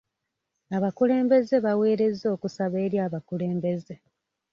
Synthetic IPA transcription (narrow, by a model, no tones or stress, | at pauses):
aβakule̞ːmbe̞ze̞βawe̞ːɾe̞zːo̞ːkusaβe̞ːɾjaːβakule̞ːmbe̞ze̞